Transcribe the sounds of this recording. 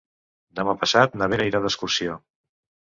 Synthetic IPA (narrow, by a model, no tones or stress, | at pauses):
d̪əmapəsat̪nəβ̞eɾəiɾaðəskursio